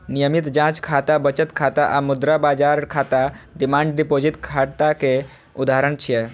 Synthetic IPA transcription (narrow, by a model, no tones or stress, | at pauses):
nijəmit̪d͡ʒãt͡ʃkʰat̪abət͡ʃət̪kʰat̪aʔamud̪ɾabad͡ʒaɾkʰat̪aɖimãːɳɖɖipod͡ʒit̪kʰaɽt̪ake | ud̪aɦɾəɳt͡ʃʰiɛ